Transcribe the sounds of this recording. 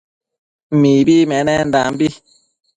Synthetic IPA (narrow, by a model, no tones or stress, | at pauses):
m̩miːbimɛnɛn̩dambi